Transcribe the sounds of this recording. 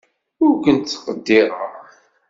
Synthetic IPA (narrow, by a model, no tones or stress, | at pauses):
ʊɾkənt̪θə̥qəd̪ːɪʁə̰ʁ